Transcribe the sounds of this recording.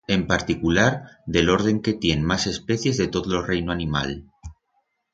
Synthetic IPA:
e̞mpaɾt̪ikulaɾðe̞lo̞ɾð̞e̞ŋke̞t̪je̞nmase̞spe̞θje̞zðe̞t̪o̞ðolo̞re̞jnoanĩma̰l

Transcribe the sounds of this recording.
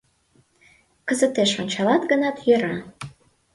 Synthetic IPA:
kəzət̪eʃonʲt͡ɕɑlɑt̪ɡənɑt̪jøɾɑ

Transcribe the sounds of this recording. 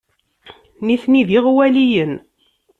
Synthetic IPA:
niθniðiʁwælijən

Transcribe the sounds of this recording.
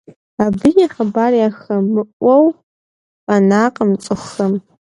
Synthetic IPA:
abɨjaχabarjaxɐmːɨʔʷowʼ | anaqʼəmt͡sʼɨxəm

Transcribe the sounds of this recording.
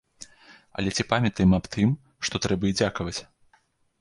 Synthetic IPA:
ɐ̰lʲɛt͡sʲipamʲɐt̪ɐjɛmɐpt̪ɨm | ʂt̪ɔt̪ɾɛbɐid͡zʲakɐvɐt͡sʲ

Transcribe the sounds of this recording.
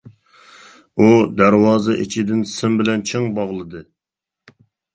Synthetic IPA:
ud̪æɾwɑːzɨʔḭt͡ʃʰid̪ɪnsɪmbɪlɛnt͡ʃʰeŋbɑʁlˠɨd̪ɨ

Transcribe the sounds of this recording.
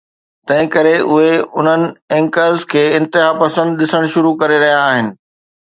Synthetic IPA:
t̪ɐ̃ɦɪ̃kɐɾeʔʊɦeʊn̤ənɪ̆ɛ̃ŋkəlzkʰeːɪ̃nt̪ɪɦapɐsə̃nd̪ɗɪsəɽ̃ʃʊɾukɐɾeɾɐɦijaːɦɪnɪ̆

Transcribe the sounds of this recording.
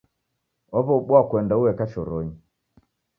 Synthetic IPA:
ɔβɔɓwakwɛndauwɛkaʃɔɾɔɲi

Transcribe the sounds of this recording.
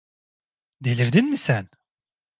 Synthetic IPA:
d̪elʲiɾd̪inmisæn

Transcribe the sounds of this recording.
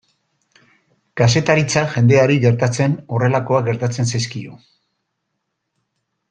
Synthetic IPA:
kas̬e̞t̪aɾit͡saʝe̞nd̪e̞aɾiɣe̞ɾt̪at͡se̞no̞re̞lako̞aɡe̞ɾt̪at͡se̞nsajskio̰

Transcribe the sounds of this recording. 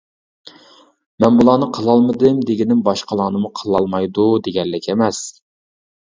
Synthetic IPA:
mɛnbulˠɑːnɨqʰəlˠɑlˠmɨd̪ɨmd̪eɡʲinɪmbɑʃqʰəlˠɑːnɨmuqʰəlˠɑlˠmɑjd̪ud̪eɡʲɛlːɪkʲʰemɛs

